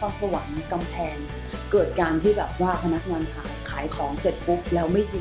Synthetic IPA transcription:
fa˧ŋsa˧wa˩˦ŋka˧mpʰɛː˧n | kɤː˨˩t̪̚kaː˧nt̪ʰiː˥˩bɛː˨˩p̚waː˥˩pʰa˧na˦˥k̚ŋaː˧nkʰaː˩˦jkʰaː˩˦jkʰɔː˩˦ŋse˨˩t̪̚pu˦˥p̚lɛː˦˥wma˥˩jdiː˧

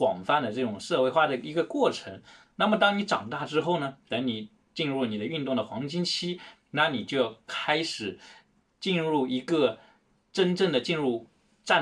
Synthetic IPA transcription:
kwɑ̰˨˩ŋfa˥˧nd̪ə˩ʈ͡ʂɤ˥˩ʈ͡ʂʊ˨˩ŋʂɤ˥˧we˥˧ɪxwa˥˩d̪ə˩i˧˥ɡə˧kwɔ˥˩ʈ͡ʂʰɤ˧˥ŋ | na˥˩mə˩t̪ɑ˥ŋni˧˥ʈ͡ʂɑ̰˨˩ŋt̪a˥˩ʈ͡ʂɻ̩˥xo˥˩ʊnə˩t̪ə˧˥ni˨˩ | t͡ɕi˥˧nɻu˥˩ni˨˩d̪ə˦y˥˧nt̪ʊ˥˩ŋd̪ə˩xwɑ˧˥ŋt͡ɕi˥ŋt͡ɕʰi˥ | na˥˩ni˨˩t͡ɕjo˥˧ʊkʰa˥ɪʂɻ̩˨˩ | t͡ɕi˥˧nɻu˥˩i˧˥ɡə˥˧ | ʈ͡ʂə˥nʈ͡ʂɤ˥˩ŋd̪ə˩t͡ɕi˥˧nɻu˥˩ | ʈ͡ʂa˥˩

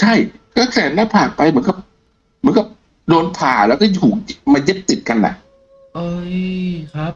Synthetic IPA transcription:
t͡ɕʰa˥˩jkʰaː˥˩kʰɛː˨˩˦nlaː˥˩pʰaː˨˩k̚pa˧jmɯ˩˦nka˨˩p̚ | mɯ˩˦nka˨˩p̚ | doː˧npʰaː˨˩lɛː˦˥wkɔː˥˩t̪ʰuː˨˩k̚maː˧je˦˥p̚t̪i˨˩t̪̚ka˧nːla̰˨˩ʔ

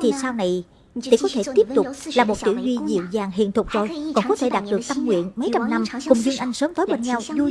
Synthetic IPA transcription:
t̪ʰi˨˩saː˧wna˨˩j | t̪ḭ˧˩kɔ˨˦t̪ʰe˧˩t̪i˦˥əp̚t̪ʊ˨˩k͡p̚laː˨˩mo˨˩t̚t̪ḭ˧˩wzwi˧zḭ˧˨əwzaː˨˩ŋɦḭ˧˨ənt̪ʰʊ˨˩k͡p̚zo˨˩jkɔ˨˩nkɔ˨˦t̪ʰe˧˩ɗaː˨˩t̚ɗɨ˨˩ək̚t̪ə˧mŋwḭ˧˨ənmə˨˦jt͡ɕa˧mna˧mkʊ˨˩ŋ͡mzɨ˧əŋʔa˧jŋ̟səː˨˦mt̪o˨˦jɓeː˧nɲa˧wzu˧

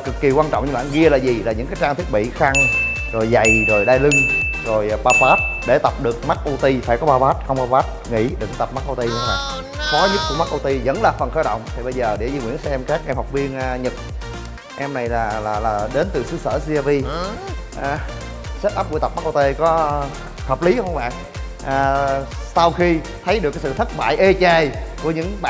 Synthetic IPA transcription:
kɨ˨˩kːi˨˩kwaː˧nt͡ɕɔ̰˧˨ŋ͡mɲɨ˧ɓa̰ː˧˨nɣi˧əlaː˨˩zi˨˩laː˨˩ɲɨ˧˥ŋkaː˨˦jt͡ɕaː˧ŋt̪ʰi˦˥ət̚ɓḭ˧˨xa˧ŋ | zo˨˩jza˨˩jzo˨˩jɗaː˧jlɨ˧ŋzo˨˩jɓaː˧faː˦˥t̚ɗe˧˩t̪ə˨˩p̚ɗɨ˨˩ək̚ma˦˥k̚ʔo˧t̪i˧faː˧˩jkɔ˨˦ɓaː˧vaː˦˥t̚xə˧wŋ͡mkɔ˨˦ɓaː˦˥t̚ŋḭ˧˥ɗɨ̰˧˩ŋt̪ə˨˩p̚ma˦˥k̚ʔo˧wt̪i˧laː˨˩ | fɔ˨˦ɲɨ˦˥t̚ku˧˩əma˦˥k̚ʔo˧wt̪i˧zə̰˧˥nlaː˨˩fə˨˩nxəː˧˩ɗə̰˧˨wŋ͡mt̪ʰi˨˩ɓə˧jzəː˨˩ɗe˧˩zi˧ŋwi˧˩ənsɛ˧ɛ˧mkaː˦˥k̚ʔɛ˧mha˨˩wk͡p̚vi˧ənː˧ɲɨ˨˩t̚ | ʔɛ˧mna˨˩jlaː˨˩laː˨˩laː˨˩ɗe˨˦nt̪ɨ˨˩sɨ˨˦sə̰ː˧˩si˧aː˧vi˧ | ʔaː˨˩ | se˦˥t̚ʔaː˦˥p̚kṵ˧˦t̪ə˨˩p̚ma˦˥k̚ʔo˧t̪e˧kɔ˨˦ | həː˨˩p̚li˨˦hə˧ɓa̰ː˧˨n | ʔaː˨˩sa˧wxi˧ | t̪ʰə˨˦jɗɨ˨˩kːa˨˦sɨ̰˧˨t̪ʰə˦˥t̚ɓa̰ː˧˨jʔe˧t͡ɕaː˨˩jku˧˩əɲɨ̰˧˥ŋɓa̰ː˧

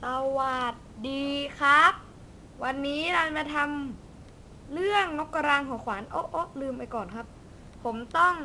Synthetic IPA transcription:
sa˧waː˨˩t̪̚diː˧kʰɾa˦˥p̚ | wa˧nːiː˦˥ɾaː˧nma˧t̪ʰa˧m | lɯ˥˩əŋno˦˥kːa˧ɾaː˧ŋkʰɔː˩˦kʰwaː˩˦nʔo˦˥ʔʔo˦˥lɯː˧mpa˧jkɔː˨˩nkʰa˦˥p̚ | pʰːo˩˦mt̪ɔ˥˩ŋ

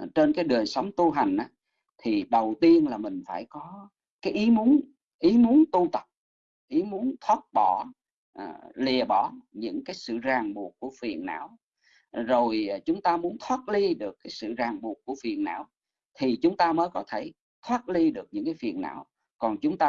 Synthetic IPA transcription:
t͡ɕe˧nkaː˨˦jɗəː˨˩əjsə˨˦wŋ͡mt̪u˧ɦa˨˩jŋ̟ʔaː˨˦ | t̪ʰi˨˩ɗə˨˩wt̪i˧ənlaː˨˩mï˨˩ŋ̟faː˧˩jkɔ˨˦ | kaː˨˦jʔi˨˦mu˨˦ən | ʔi˨˦mu˨˦ənt̪u˧t̪ə˨˩p̚ | ʔi˨˦mu˨˦ənt̪ʰwaː˦˥t̚ɓɔ˧˩ | ʔli˨˩əɓɔ˧˩ɲɨ̰˧˥ŋkaː˨˦jsɨ̰˧˨zaː˨˩ŋɓu˨˩ət̚ku˧˩əfi˨˩ənːa̰ː˧˥w | zo˨˩jt͡ɕʊ˨˦ŋ͡mt̪aː˧mu˨˦ənt̪ʰwaː˦˥t̚li˧ɗɨ˨˩əkːaː˨˦jsɨ̰˧˨zaː˨˩ŋɓu˨˩ək̚kːu˧˩əfi˨˩ənːa̰ː˧˥˨w | t̪ʰi˨˩t͡ɕʊ˨˦ŋ͡mt̪aː˧məː˨˦jkɔ˨˦t̪ʰe˧˩ | t̪ʰwaː˦˥t̚li˧ɗɨ˨˩ək̚ɲɨ̰˧˥ŋkaː˨˦jfḭ˨˩ənːa̰ː˧˥˨w | kɔ˨˩nt͡ɕʊ˨˦ŋ͡mt̪aː˧

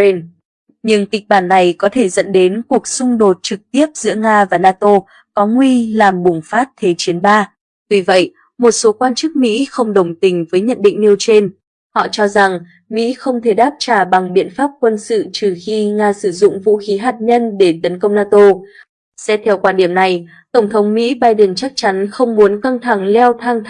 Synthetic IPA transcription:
n | ɲɨ˧ŋki˨˩k̟̚ɓaː˧˩nːa˨˩jkɔ˨˦t̪ʰe˧˩zə̰˧˥nɗe˨˦nku˨˩ək̚sʊ˧ŋ͡mɗo˨˩t̚t͡ɕɨ˨˩k̚t̪i˦˥əp̚z̥ɨ̰˧˥əŋaː˧vaː˨˩naː˧t̪o˧ | kɔ˨˦ŋwi˧laː˨˩mɓʊ˨˩ŋ͡mfaː˦˥t̚t̪ʰe˨˦t͡ɕi˨˦ənɓaː˧ | vi˨˩və̰˧˨jʔ | mo˨˩t̚so˨˦kwaː˧nt͡ɕɨ˦˥k̚mḭ˧˥xə˧wŋ͡mɗə˨˩wŋ͡mt̪ï˨˩ŋ̟vəː˨˦jɲə̰˧˨nɗḭ̈˧˨ŋ̟ni˧əwt͡ɕe˧n | hɔ̰˧˨t͡ɕɔ˧za˨˩ŋ | mḭ˧˥xə˧wŋ͡mt̪ʰe˧˩ɗaː˦˥p̚t͡ɕaː˧˩ɓa˨˩ŋɓḭ˧˨ənfaː˦˥p̚kwə˧nsɨ̰˧˨t͡ɕɨ˨˩xi˧ŋaː˧sɨ˧˩zʊ̰˧˨ŋ͡mvṵ˧˥xi˨˦ɦaː˨˩t̚ɲə˧nɗe˧˩t̪ə˨˦nkə˧wŋ͡mnaː˧t̪o˧ | sɛ̰˧˥t̪ʰɛ˧wkwaː˧nɗi˧˩əmna˨˩j | t̪ə˧˩wŋ͡mt̪ʰə˨˦wŋ͡mmḭ˧˥ɓaː˧jɗə˨˩nt͡ɕa˦˥k̚t͡ɕa˨˦nxə˧wŋ͡mmu˨˦ənka˧ŋt̪ʰa˧˩ŋlɛ˧wt̪ʰa˧ŋ

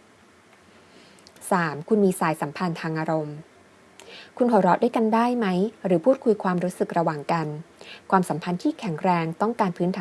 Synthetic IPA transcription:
saː˩˦mkʰu˧nmiː˧saː˩˦jsa˩˦mpʰa˧nt̪ʰaː˧ŋʔaː˧ɾo˧m | kʰu˧nhoː˨˩˦ɾɔː˦˥t̚du˥˩jka˧ndaː˥˩jma˦˥jɾɯː˩˦pʰuː˥˩t̪̚kʰu˧jkʰwaː˧mɾuː˦˥sɯ˨˩k̚ɾa˧waː˨˩ŋka˧nkʰwaː˧msa˩˦mpʰa˧nt̪ʰiː˥˩kʰɛ˨˩˦ŋɾɛː˧ŋt̪ɔ˥˩ŋkaː˧npʰɯː˦˥nt̪ʰaː˨˩

